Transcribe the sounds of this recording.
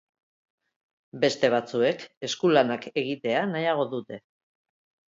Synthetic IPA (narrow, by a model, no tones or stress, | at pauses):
be̞st̪e̞β̞at͡sue̞ke̞skulanake̞ɣ̞it̪e̞anajaɣ̞o̞ðut̪e̞